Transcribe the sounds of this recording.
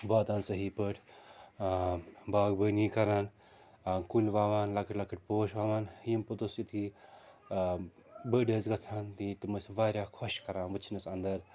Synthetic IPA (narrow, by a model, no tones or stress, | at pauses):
baːt̪aːnsɐɦiːpəʈ | baːɡbəːniːkɐɾaːn | kulʲʋaːʋaːnlɐkəʈlɐkɨʈ̚poːʃʋaːʋaːnjimpɨt̪usit̪ʰi | bəːɖeːzɡɐt͡sʰaːnt̪it̪ɨmɨsʋaːɾʲjaːkʰoʃkɐɾãːnʋɨt͡ʃʰinɐsɐnd̪ɐɾ